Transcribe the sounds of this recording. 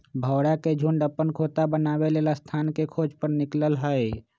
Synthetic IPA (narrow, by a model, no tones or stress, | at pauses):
bʱəːwɽaked͡ʒʱuɳɖəpːənkʰoːt̪abənaːweleːlast̪ʰaːnkekʰoːd͡ʒpəɾnɪkləlɦəe